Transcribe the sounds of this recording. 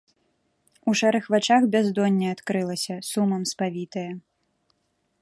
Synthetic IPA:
uʂɛɾɨxvat͡ʂaxbʲazd̪ɔnʲːɐat̪kɾɨlˠɐsʲɐsumɐmspavʲit̪ɐjɐ

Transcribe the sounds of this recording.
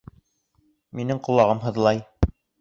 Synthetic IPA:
minɘŋqŭlˠɑʁɤmɦɤ̆ðlˠɑj

